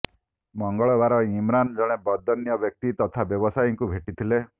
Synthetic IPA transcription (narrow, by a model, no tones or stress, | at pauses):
mɔŋɡɔɭɔbaɾɔimɾand͡ʒɔɽ̃ebɔd̪ʱːɔnjɔbjɔk̚t̪it̪ɔt̪ʰabjɔbɔsajɔŋkubʱeʈit̪ʰile